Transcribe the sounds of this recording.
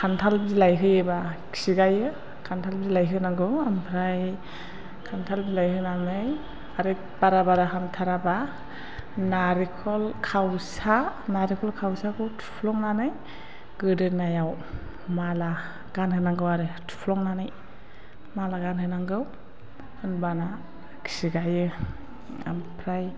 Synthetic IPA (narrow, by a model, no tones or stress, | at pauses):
kʰantʰalbdilajɦɯjɯba | siɡajɯ | kʰantʰalbzilajɦɯnaŋɡɯwampʰɾaj | kʰantʰalbzilajhɯnanɯj | aɾɯ | b̥aɾabaɾahamtʰaɾaba | naɾikʰɔlkʰawsanaɾikʰɔlkʰawsakʰɯwtʰu̥pʰlɔŋnanɯj | ɡɯdɯnːajaw | mala | ɡ̥anhɯnaŋɡɯwaɾɯtʰu̥pʰlɔŋnanɯj | malaɡanhɯnaŋɡɯw | hɯnbana | kʰi̥siɡajɯ | a̰mpʰɾaj